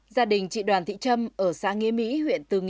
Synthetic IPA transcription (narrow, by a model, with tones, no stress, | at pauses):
zaː˧ɗï˨˩ŋ̟t͡ɕḭ˧˨ɗwaː˨˩nt̪ʰḭ˧˨t͡ɕə˧mʔəː˧˩saː˧˥ŋi˧əmḭ˧˥hwḭ˧˨ənt̪ɨ˨˩ŋ˧